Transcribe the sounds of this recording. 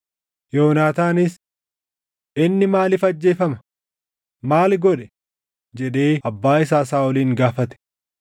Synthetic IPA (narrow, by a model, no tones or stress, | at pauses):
joːnaːt̪aːnɪs | ʔɪnːɪmaːlɪfɐd͡ʒːe̞ːfɐmɐ̥ | maːlɡɔᶑɛ̥ | d͡ʒɛᶑe̞ːʔɐbːaːɪsaːsaːɔliːŋɡaːfɐt̪ɛ̥